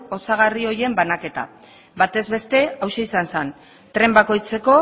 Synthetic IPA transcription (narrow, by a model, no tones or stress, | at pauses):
o̞saɣ̞ario̞ɾje̞mbanake̞t̪a̰ | bat̪e̞zβe̞st̪e̞awʃeisansan | t̪ɾe̞mbako̞jt͡se̞ko̞